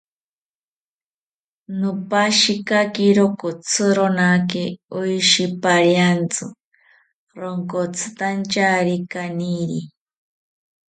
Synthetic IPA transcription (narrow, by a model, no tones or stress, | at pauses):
nopaʃikakiɾokot͡sʰɨɾonakeojʃipaɾjant͡sɨ | ɾoŋkot͡sʰɨ̥t̪ant͡ʃaɾikaniɾi